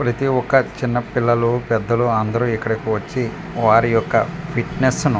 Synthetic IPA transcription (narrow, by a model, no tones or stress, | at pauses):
pɾɐt̪iɔkːɐt͡ʃinːɐpilːɐlupɛd̪ːɐluɐnd̪ɐɾuːikːɐɽɐkiʋɐt͡ʃːi | ʋaːɾijɔkːɐpʰiʈnesnu